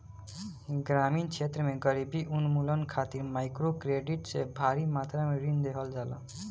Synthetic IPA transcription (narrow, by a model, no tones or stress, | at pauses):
ɡɾamint͡ʃʰet̪ɾəmeɡʌɾibiʔunmulʌnkʰat̪iɾmajkɾokɾeɖiʈsebʱaɾimat̪ɾameɾind̪ekʰʌld͡ʒala̰